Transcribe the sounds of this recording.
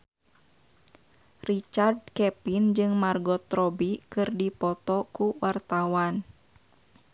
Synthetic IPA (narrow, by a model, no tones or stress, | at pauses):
rit͡ʃard̚kɛpind͡ʒɨŋmarɡɔt̪ɾɔbikɨrdipɔt̪ɔkuwart̪awan